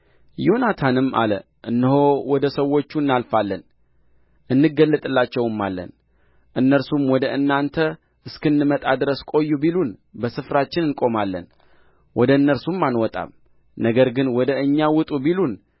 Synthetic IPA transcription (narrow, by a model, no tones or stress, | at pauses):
jo̞nat̪ʰanɨmʔa̰lə | ʔɨnːɨho̞wɔd̪əsəwːo̞t͡ʃːunːalfalːən | ʔɨnːɨɡəlːət̪ʼɨlːat͡ʃːɛwɨmːa̰lːə̰n | ʔɨnːəɾsumwɔd̪əɨnːant̪ʰə | ɨskɨnːɨmət̪ʼad̪ɨɾəskʼo̞jːubilunbəsɨfɾat͡ʃːɪnɨnkʼo̞malːə̰n | wʔɔd̪əɨnːəɾsumːanwɔt̪ʼa̰m | nəɡəɾɡɨnwɔd̪əɨɲːawʊt̪ʼubilun